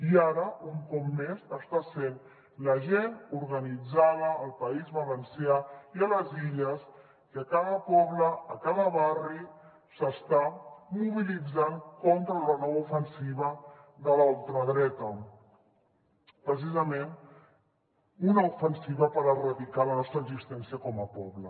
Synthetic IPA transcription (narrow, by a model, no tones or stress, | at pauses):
iaɾəuŋkɔp̚mezəst̪asen | ləʒenuɾɣənid͡zaðəːlˠpəizβəβənsjaiələziʎəs | kəkaðəpɔβləːkaðəβari | səst̪amuβilid͡zankɔnt̪ɾələnɔβəufənsiβə | ðəlalˠt̪ɾəðɾɛt̪ə | pɾəs̬izəmen | unəufənsiβəpəɾərəðikalənɔst̪ɾəɡzist̪ɛnsiəkɔməpɔβlə